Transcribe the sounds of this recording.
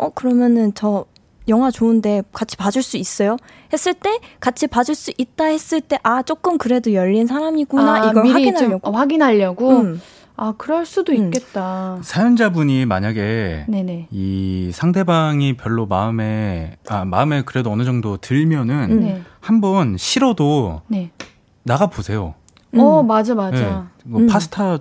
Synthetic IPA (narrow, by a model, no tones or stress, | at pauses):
ʌkɯɾʌmjʌnɯnt͡ɕʌ | jʌŋwat͡ɕoɯnde̞kat͡ɕʰi̥pad͡ʑuɭs͈uis͈ʌjo | he̞s͈ɯɭt͈e̞kat͡ɕʰipad͡ʑuɭs͈uʔit̚t͈ahe̞s͈ɯɭt͈e̞ʔat͡ɕ͈ok͈ɯmkɯɾe̞dojʌʎːins̬ʰaɾamiɡunaiɡʌainaʎːʌɡaɡinɦaʎːʌɡo | akɯɾʌɭs͈udoik͈e̞t̚t͈asʰajond͡ʑabuɲima̰ɲaɡe̞ne̞ne̞isʰaŋdʰe̞baŋipjʌɭːoma̰ɯme̞ama̰ɯme̞kɯɾe̞doʌnɯd͡ʑʌŋdotɯɭmjʌnɯnehambʌnɕʰiɾʌdone̞ | naɡaposʰe̞jo̰ | ʌmad͡ʑamaeaɡopʰasʰɯ̥tʰa